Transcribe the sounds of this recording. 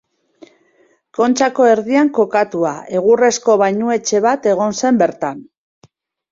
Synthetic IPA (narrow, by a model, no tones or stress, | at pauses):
ko̞nt͡ʃako̞e̞ɾðiaŋko̞kat̪uaʔe̞ɣure̞sko̞βajɲue̞t͡ʃe̞β̞at̪e̞ɣ̞o̞nse̞mbe̞ɾt̪an